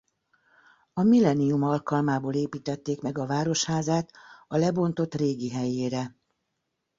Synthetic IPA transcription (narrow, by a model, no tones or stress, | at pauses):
ɒmilɛnijumɒlkɒlmaːboːleːpiːt̪ɛt̪ːeːkmɛɡɒvaːɾo̞ʃhaːzaːt̪ɒlɛbo̞nt̪o̞t̪reːɡiɦɛjeːɾɛ